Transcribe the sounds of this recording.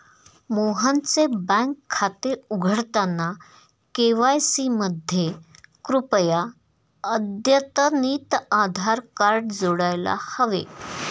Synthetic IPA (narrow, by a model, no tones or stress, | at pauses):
moɦãnt͡sebə̃ŋkʰːat̪euɡʱəɽt̪anːa | keʋajsiməd̪ʱjekɾupja | əd̪ʱjət̪əniːt̪ad̪ʱaɾkaɾɖd͡zoɽajla̰həʋḛ